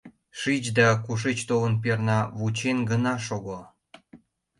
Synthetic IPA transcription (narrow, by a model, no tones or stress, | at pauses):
ʃit͡ɕd̪ɑkuʃ̬et͡ɕt̪olənpernɑβut͡ɕenɡənɑʃoɣo